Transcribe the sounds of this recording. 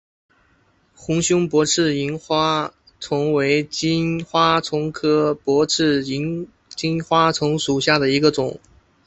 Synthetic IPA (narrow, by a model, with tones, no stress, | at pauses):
xʊ˧˥ŋɕjʊ˥ŋpwɔ˧˥ʈ͡ʂʰɻ̩˥˩i˧˥nxwa˥ | t͡sʰʊ˧˥ŋwe˧˥ɪt͡ɕi˥nxwa˥t͡sʰʊ˧˥ŋkʰɤ˥pwɔ˧˥ʈ͡ʂʰɻ̩˥˩i˧˥n | t͡ɕi˥nxwa˥t͡sʰʊ˧˥ŋʂu˨˩ɕja˥˩d̪ə˩i˧˥ɡə˧t͡sʊ˨˩˦ŋ